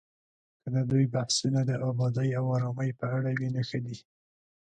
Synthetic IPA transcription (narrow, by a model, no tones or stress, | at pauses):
kəd̪əd̪ujbahsunad̪əʔɑbɑd̪əjawɑɾɑməjpəaɽawenaxəd̪i